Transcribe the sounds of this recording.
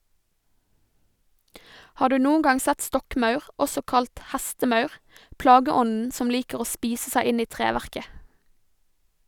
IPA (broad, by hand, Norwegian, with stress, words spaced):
ˈhɑː ˈɖʉː ˈnuːn̩ ˈɡɑŋ ˈsɛt ˈstɔkˌmɑʉʁ ˈɔsɔ ˈkɑlt ˈhæstəˌmɑʉʁ ˈplɑːɡəˌɔnn̩ ˈsɔm ˈliːkəʁ ˈoː ˈspiːsə ˈsæɪ ˈɪn ˈiː ˈtʁeːʋæʁkə